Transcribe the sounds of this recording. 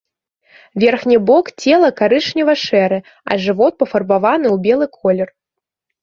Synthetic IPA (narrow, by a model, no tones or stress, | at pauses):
vʲɛrxnʲibɔkt͡sʲɛlˠɐkaɾɨʂnʲɐvɐʂɛɾɨ | ɐ̰ʐɨvɔt̪̚pɐfɐrbavanɨwbʲɛlˠɨkʰɔlʲɛr